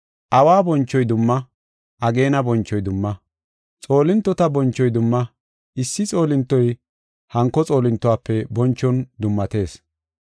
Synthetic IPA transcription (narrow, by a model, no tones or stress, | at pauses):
ʔɐwaːbɔnt͡ʃːɔjd̪ʊmːɐ | ʔɐɡe̞ːnɐbɔnt͡ʃːɔjd̪ʊmːɐ | t͡sʼo̞ːlɪnt̪ːɔt̪ɐbɔnt͡ʃːɔjd̪ʊmːɐ | ɪsːɪt͡sʼo̞ːlɪnt̪ːɔj | hɐŋkːɔt͡sʼo̞ːlɪnt̪ːɔwaːpːɛbɔnt͡ʃːɔnd̪ʊmːɐt̪e̞ːs